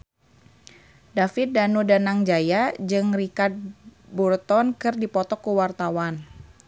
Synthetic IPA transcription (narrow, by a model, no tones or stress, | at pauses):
dafɪt̪̚danudanaŋd͡ʒajad͡ʒɨŋrikard̪̚burt̪ɔnkɨrdipɔt̪ɔkuwart̪awan